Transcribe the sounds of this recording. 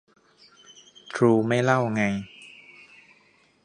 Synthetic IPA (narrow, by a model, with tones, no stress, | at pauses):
t̪ʰɾuː˧ma˥˩jla˥˩wŋa˧j